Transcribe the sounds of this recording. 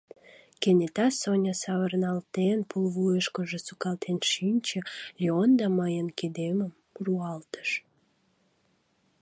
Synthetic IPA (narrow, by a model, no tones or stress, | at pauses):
kenʲet̪ɑsonʲəsɑβərnɑlt̪enpulβujəʃkəʒə̆sukɑlt̪ʰenʃinʲt͡ɕə̆lʲiond̪ɑməjənked̪eməm | ruɑlt̪ə̥ʃ